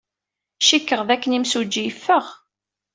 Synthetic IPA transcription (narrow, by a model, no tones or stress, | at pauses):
ʃikːəʁðækːənimsud͡ʒːijfːəʁ